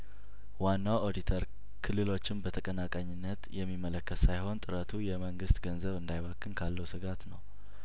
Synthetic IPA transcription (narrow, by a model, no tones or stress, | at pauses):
wanːawod̪it̪ʰəɾ | kʰɨlːɨlo̞t͡ʃːɪnbət̪ʰəkʼənakʼaɲːɪnːət̪jɛmːimːələkːət̪sajho̞nt̪ʼɨɾət̪ʰujɛməŋɡɨst̪ɡənzəβɨnd̪ajβakʰːɨnkʰalːəwsɨɡat̪nəw